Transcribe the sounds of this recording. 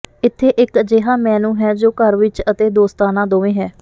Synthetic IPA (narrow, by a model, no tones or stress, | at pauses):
ɪt̪ʰːeːʔɪkd͡ʒeːɦãːmɛːnũːɦɛːd͡ʒoːkəɾʋɪt͡ʃət̪eːd̪oːst̪aːnãːd̪oːʋẽːɦɛː